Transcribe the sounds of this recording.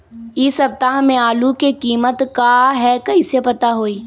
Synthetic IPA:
ɪsɐb̚t̪aɦmẽaːlukekiːmət̪kaɦɛkɐisepɐt̪aɦoːiː

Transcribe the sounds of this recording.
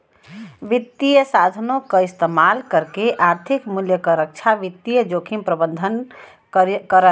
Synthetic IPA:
ʋit̪ːijəsad̪ʱənokəist̪əmalkəɾkeʔaɾt̪ʰikmuljəkəɾək̚t͡ʃʰaʋit̪ːijəd͡ʒokʰimpɾəbənd̪ʱən | kəɾə

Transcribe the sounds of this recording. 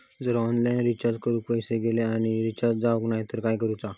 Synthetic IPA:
d͡zəɾɔnlajnɾit͡ɕaɾd͡zkəɾuːk̚pəjseɡeleaɽ̃iɾit͡ɕaɾd͡zd͡zaʋəknajt̪əɾkajkəɾut͡sa

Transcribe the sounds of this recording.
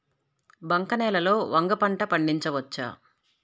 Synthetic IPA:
bɐŋkɐnɛːlɐloːʋɐŋɡɐpɐɳʈɐpɐɳɖiɲt͡ʃɐʋɐt͡ʃːa̰ː

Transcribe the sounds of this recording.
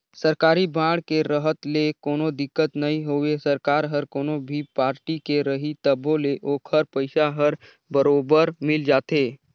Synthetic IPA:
səɾkaːɾibãːɽkeɾəɦət̪lekoːnod̪ɪkːət̪nɐĩɦoːʋesɐɾkaːɾɦəɾkoːnobʱipaːɾʈikeɾɐɦit̪əbʱoleʔoːkʰhəɾpəɪsaɦəɾ | bəɾoːbəɾmɪld͡ʒaːt̪eː

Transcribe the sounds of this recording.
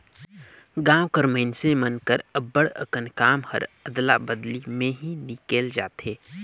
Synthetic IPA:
ɡãːwkəɾməɪnsẽmənkəɾəbːəɽə̰kənkaːmhə̰ɾəd̪labəd̪limẽɦinɪkeːld͡ʒa̰ːt̪ɦeː

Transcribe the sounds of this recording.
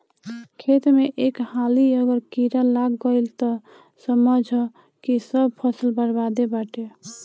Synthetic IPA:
kʰet̪meʔekhaliəɡəɾkiɾalaɡːəɪlt̪ɔ | səməd͡ʒʱ | kisəb̚pʰəsəlbəɾbad̪ebaʈe

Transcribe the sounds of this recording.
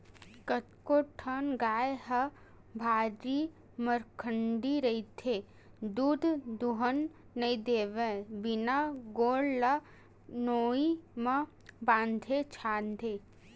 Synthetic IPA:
kət̪koʈʰənɡaːjɦɐ | bʱaːɾi | məɾkʰəɳɖiɾɐit̪ʰe | d̪uːd̪ʱd̪uɦənː | əid̪eːʋebɪnaɡoːɽlə | noːimɐ | bãːnd̪ʱet͡ʃʰaːnd̪ʱeː

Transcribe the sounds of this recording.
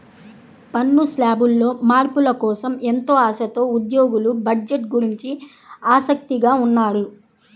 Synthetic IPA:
pɐnːuslaːbulːo̞ːmaːɾpulɐkɔːsɐment̪o̞ːaːsɐt̪o̞ːud̪joːɡulubɐɖd͡ʒe̞ʈɡuɾiɲt͡ʃi | aːsɐk̚t̪iɡaːunːaːɾu

